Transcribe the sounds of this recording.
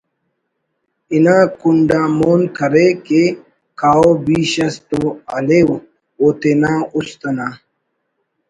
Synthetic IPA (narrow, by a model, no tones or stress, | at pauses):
inãːkuɳɖaːmoːnkʰɐɾeke | kaːobiːɕɐst̪uɐlew | oːt̪enaːust̪ɐna